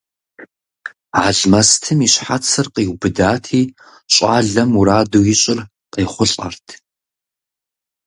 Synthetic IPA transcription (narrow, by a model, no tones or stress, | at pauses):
ʕa̰ɮmɐstʰɨmiːɕħat͡sʰɨrqiːwbɨdaːtʰiː | ɕʼa̰ːɮɐmuɾaːduːjɪɕʼɪr | qeːχʷʊɬʼɐ̰rtʰ